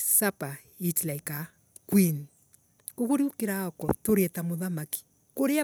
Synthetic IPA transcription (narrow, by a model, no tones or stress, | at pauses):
sapa | itlaika | kwin | koɣoɾiukeɾaɔkɔ̰toɾɛtamoðamaki̥ | koɾea